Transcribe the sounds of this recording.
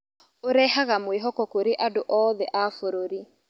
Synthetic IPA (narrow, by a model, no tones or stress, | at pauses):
oɾɛhaɣamweɦɔkɔkoɾeʔadoʔɔːðɛʔafoɾoɾi